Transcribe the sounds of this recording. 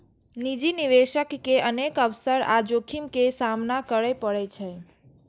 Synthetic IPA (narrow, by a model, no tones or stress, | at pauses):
nid͡ʒiniʋeʃəkːeʔənekəʋsəɾa̰d͡ʒokʰimkesamnakəɾəjpəɽɛt͡ʃʰɛ